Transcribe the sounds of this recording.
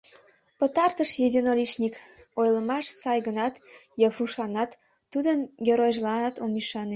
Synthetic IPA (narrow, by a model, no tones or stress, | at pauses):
pət̪ɑrt̪əʃjed̪ʲinolʲiʃnʲik | ojləmɑʃsɑjɣənɑt̪jɑβruʃlɑnɑt̪ː | ud̪ənɡʲeɾojʒlɑnɑt̪omiʃɑne